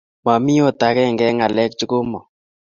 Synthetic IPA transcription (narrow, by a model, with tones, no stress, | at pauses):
ma˨mi˦o˦t̪a˨kɛ˦˨ŋɡɛ˦ŋa˨lɛ˦k̚t͡ʃʊ˦kʊ˦mɔ˨